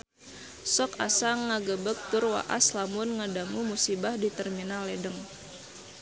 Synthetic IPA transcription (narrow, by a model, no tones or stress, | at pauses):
sɔka̰saŋːaɡəbək̚t̪ʊrwa̰ʔa̰slamʊnŋadamumusibahdit̪ərminalɛdəŋ